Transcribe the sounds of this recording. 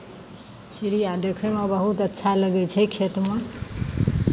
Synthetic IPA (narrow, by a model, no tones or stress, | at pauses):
siɾijad̪ekʰemebəɦut̪ətːʃʰaləɡɛt͡ʃʰɛkʰet̪me